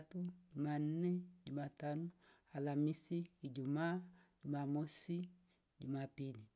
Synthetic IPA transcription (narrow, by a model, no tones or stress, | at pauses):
pud͡ʒumanned͡ʒumatanualamisiːd͡ʒumad͡ʒumamosi | ɟumapini